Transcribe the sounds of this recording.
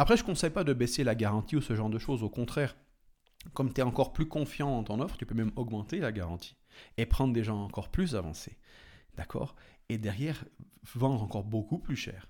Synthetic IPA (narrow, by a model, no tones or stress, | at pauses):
apχɛʒəkɔ̃sɛjpad̪əbɛselaɡaʁɑ̃t̪iusəʒɑ̃ʁd̪əʃozokɔ̃t̪χɛːʁ | kɔmt̪yɛɑ̃kɔʁplykɔ̃fjɑ̃d̪ɑ̃t̪ɔ̃nɔfχt̪ypømɛmɔɡmɑ̃t̪elaɡaʁɑ̃t̪ʰi̥ | epχɑ̃d̪ʁəd̪eʒɑ̃ɑ̃kɔʁplys̬avɑ̰̃sed̪̥akʰɔ̰ːʁed̪ɛʁjɛːʁvɑ̃d̪ʁɑ̃kɔʁbokuplyʃɛ̰ːʁ